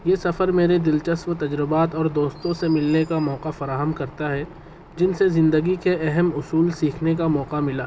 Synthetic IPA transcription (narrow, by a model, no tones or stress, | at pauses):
jeːsɐfəɾmeːɾed̪ɪlt͡ʃəswt̪ɐd͡ʒɾɪbaːt̪ɔːɾd̪oːst̪õsemɪlnekamɔːqafɐɾaːɦəmkɐɾt̪aɦɛ | d͡ʒɪnsezɪ̃nd̪əɡikeʔɛɦɛmʊsuːlsiːkʰnek̬amɔːqamɪlaː